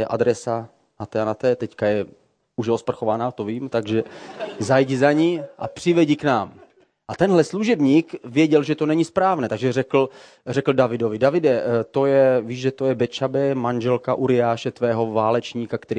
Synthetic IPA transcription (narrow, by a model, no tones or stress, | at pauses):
ɛʔa̰d̪ɾɛsa | nat̪ɛanat̪ɛːt̪ɛckajɛ | uʃospr̩xovanat̪oviːmt̪aɡʒɛzajɟzaɲiʔa̰pr̝̥ɪvɛɟiknaːm | ʔat̪ɛnɦlɛsluʒɛbɲiːkvjɛɟɛlʒɛt̪onɛɲɪspɾaːvnɛːt̪aɡʒɛrɛkl̩ | rɛkl̩davɪdo̞vɪdavɪdɛt̪o̞jɛviːʒʒɛt̪ojɛbɛt͡ʃabɛmanʒɛlkaʔuɾɪaːʃɛt̪vɛːɦo̞vaːlɛt͡ʃɲiːkakt̪ɛɾi